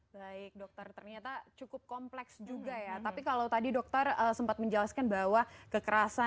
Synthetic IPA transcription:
baɪk̚dɔk̚t̪ɔrt̪ərɲat̪at͡ʃukʊp̚kɔmplɛksd͡ʒuɡajat̪apikalawt̪adidɔk̚t̪ɔrəsəmpat̪̚məɲd͡ʒəlaskanbawakəkəɾasa

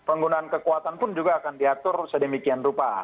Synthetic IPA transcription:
pəŋɡunaːnkəkuat̪anpʊnd͡ʒuɡaːkandiat̪ʊrsədəmikianrupa

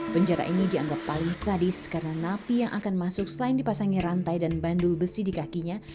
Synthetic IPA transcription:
pəɲd͡ʒaɾa̰ʔinidiaŋɡapːaliŋsadɪskarənanapijaŋʔakanmasʊksəlaɪndipasaŋiɾant̪ajdanbandʊlbəsidikakiɲa

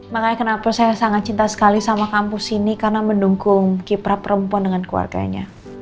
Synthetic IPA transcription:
makaɲakənapasajasaŋat̪̚t͡ʃint̪asə̥kalisamakampʊsinikarənamənduŋkʊŋkipɾapəɾəmpuɔndəŋanklua̰rɡa̰ɲa̰

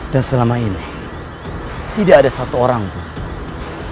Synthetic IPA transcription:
d̥ansəlamaini | t̪idaːdasat̪uoɾaŋt̪u

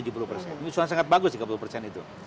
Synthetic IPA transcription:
ud͡ʒup̬uɾupərsɛ̰nsuansaŋat̪̚baɡʊskəpuɾupərsɛnit̪ṵ

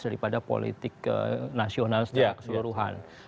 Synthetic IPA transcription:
daɾipadapo̰lḭt̪ɪkə̰nasionalsə̥d͡ʒaakəsəluɾuɦa̰n

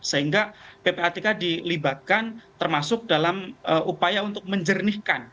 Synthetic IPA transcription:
səɦiŋɡapepeat̪ikadilibat̪̚kant̪ərmasʊk̚dalaməʔupajaunt̪ʊk̚məɲd͡ʒərnihkan

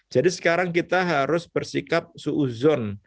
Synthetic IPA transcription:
d͡ʒadisə̥kaɾaŋk̬it̪aɦaɾʊsb̥ərsikap̚suʔuzɔn

